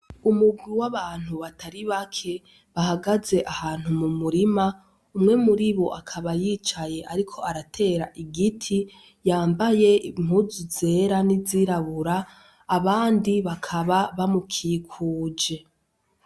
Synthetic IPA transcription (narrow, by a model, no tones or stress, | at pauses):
umub̚ɡwiwaβaːn̥huβatʰaɾiβakʰe̞ | βahaɡaze̞ʔahaːn̥humumuɾima | umŋe̞muɾiβo̞ʔakʰaβajiːt͡ʃaje̞ʔaɾikʰo̞aɾatʰe̞ːɾa̰ʔiɡitʰi | jaːmbaje̞im̥huzuze̞ːɾaniziɾaβuɾaː | βaːndiβakʰaβaβamukʰikʰuːd͡ʒe̞